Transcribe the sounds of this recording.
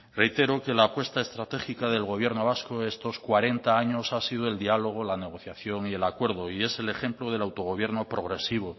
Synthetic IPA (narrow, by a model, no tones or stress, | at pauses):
re̞jt̪e̞ɾoke̞laːpwe̞st̪aest̪ɾat̪e̞xikaðe̞lɣo̞β̞je̞ɾno̞β̞askoest̪o̞skwaɾe̞nt̪aaɲo̞sasiðoe̞ld̪ialo̞ɣ̞o̞lane̞ɣ̞o̞θjaθjo̞ŋie̞lakwe̞ɾð̞o̞ie̞se̞le̞xe̞mploð̞e̞lawt̪o̞ɣ̞o̞βje̞ɾno̞pɾo̞ɣ̞ɾe̞siβ̞o